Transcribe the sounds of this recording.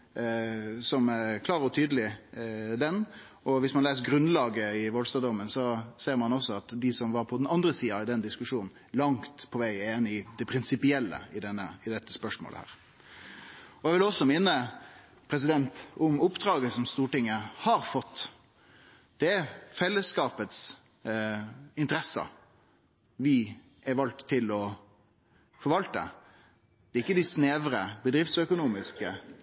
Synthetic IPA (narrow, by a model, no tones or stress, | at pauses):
sɔmɛɾkʰlɑːɾɔt̪ʰyːd̪əlɪ | d̪ɛn | ʔɔʋɪsmɑnleːsəɡɾʉnlɑːɡəɪʋɔlst̪ɑːd̪ɔmːənsɔseːɾmɑnɔsːɔɑt̪d̪ɪsɔmʋɑɾpʰɔd̪ɛnɑnd̪ɾəsiːɑd̪ɛnd̪ɪskʉʂuːnn̩ | lɑŋt̪pʰɔʋæɪeːnɪɪd̪̥ɛpʰɾɪnsɪpɪɛlːə̰ɪd̪ɛnːəɪd̪ɛt̪ːəspœʂmo̰ːlə̰hæ̰ːʁ | ɔɛʋɪlɔsːɔmɪnːə | pʰɾɛs̬ɪd̪ɛnt̪ʊmʊpːd̪ɾɑːɡəsɔmst̪uːʈɪŋːəhɑɾfɔt̪ː | d̪̥ɛæfɛlːəskɑːpət̪s | ɪnt̪əɾɛsːə̰ | ʋɪ | ɛɾʋɑlt̪ʰːɪlɔ | fɔɾʋɑlt̪ə̰ | d̪̥ɛɾɪkːəd̪ɪsneːʋɾəbəd̪ɾɪft̪sœkʊnuːmɪskə